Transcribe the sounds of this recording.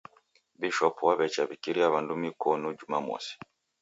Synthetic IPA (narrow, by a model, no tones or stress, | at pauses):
biʃɔpuwaβɛt͡ʃaβikiɾiaβandumikɔnud͡ʒuma̰mɔ̰si̥